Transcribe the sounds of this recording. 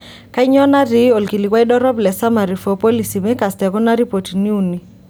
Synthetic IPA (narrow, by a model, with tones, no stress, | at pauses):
ka˦i˦ɲɔ˦na˦ɾi˨˦o˨lki˨li˨kwa˦i˦ɗɔ˦ɾɔ˦blɛ˨sa˦ma˨ɾi˨fɔ˨po˦li˨si˨mɛ˦ka˨stɛ˨kɔ˦na˦ɾi˦po˨ti˨ni˦u˨ni˨